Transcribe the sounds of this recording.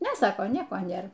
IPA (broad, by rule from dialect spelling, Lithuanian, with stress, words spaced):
ˈnʲɛ ˈsɑːkoː ˈnʲiɛkoː ˈnʲeːr